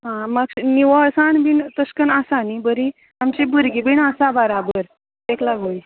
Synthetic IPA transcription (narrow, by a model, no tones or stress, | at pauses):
ɦãməksniʋəsanbint̪əskənasanibəɾi | amt͡ɕibuɾɡibiɳasabəɾabəɾ | eklaɡuni